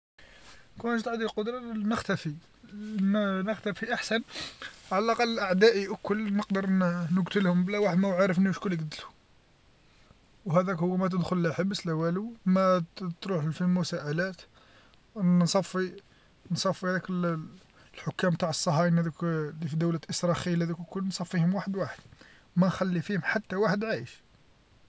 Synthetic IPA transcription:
kænʃt̪ʕd̪ilqod̪ɾˤɑnəxt̪æfi | nnəxt̪æfiʔaħsænʕalælʔɑqɑlːʔaʕd̪æʔiʔəkːʊlːnəqd̪əɾnəɡt̪əlhʊmblæwaħəd̪mæwʕaɾˤəfniwəʃkʊlːəɡd̪əlhʊ | wɦæd̪ækhʊwːæmæt̪̬əd̪xʊllæħəbəslæwælumæt̪ɾuħəlfilmʊsæʔælæt̪ | sˤɑfːi | nsˤɑfːihæd̪ækəl | lħʊkːæmbt̪aʕəsˤːɑɦɑjnhæd̪æklifid̪əwlæʔəsɾˤɑxilæd̪ækəkːʊlːnsˤɑfːihʊmwaħəd̪waħəd̪̥ | wmænxælːifihʊmħat̪ːæwaħəd̪ʕajəʃ

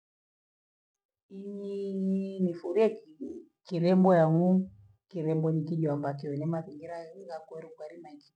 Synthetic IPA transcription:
iɲinifuɾia | kiɾɛmbɔjaŋu | kiɾɛmbɔnikiʄwambakiwɛnɛmaðiŋɡiɾaɣakwɛɾikaɾimad͡ʒi

